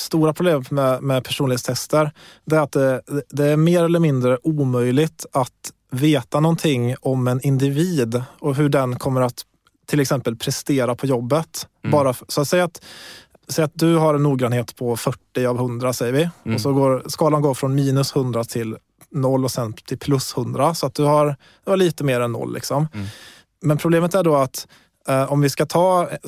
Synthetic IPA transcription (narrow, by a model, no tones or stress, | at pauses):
st̪uːɾapʰɾʊbleːmmɛmɛpʰæʂuːnɪet̪st̪ʰɛst̪əɾd̪ɛæɾat̪̚d̪ɛd̪ɛæɾmeːɾɛlːəɾmɪnd̪ɾəʔuːmœjlɪɡt̪at̪ | veːt̪anɔnt̪ʰɪŋːɔmɛnɪnd̪ɪviːd̪ɔɦɵɖɛnkʰɔmːəɾat̪ʰː | ɪlɛksɛmpəlpʰɾɛst̪eːɾapʰɔjɔbːət̪bɑːɾasɔat̪sɛjat̪ | sɛjːat̪̚d̪ɵɦaɾɛnːuːɡɾɑnheːt̪pʰɔfœʈːɪavhɵnd̪ɾasɛjːəɾvɪɔsɔɡoːɾskɑːlanɡoːɾfɾɔnmiːnɵshɵnd̪ɾat̪ʰɪl | nɔlːɔsɛnt̪ʰɪlpʰlɵshɵnd̪ɾasɔat̪̚d̪ɵhaɾ | d̪̥ɵhaɭiːt̪əmeːɾɛnːɔ̰lːʔɪ̰ksɔm | mɛnpʰɾʊbleːmət̪æɖoat̪ | ʔɔmvɪskat̪ʰɑː